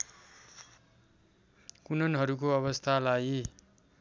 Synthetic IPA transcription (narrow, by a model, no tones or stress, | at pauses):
kunʌnɦʌɾuk̬oʌβʌst̪ʰalaji